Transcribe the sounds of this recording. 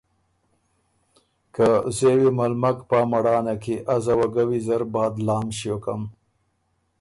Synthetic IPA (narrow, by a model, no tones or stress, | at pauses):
kazewimalmakpamaɽɑːnakiʔazawaɡawizaɾbɑːd̪lɑːmʃijokam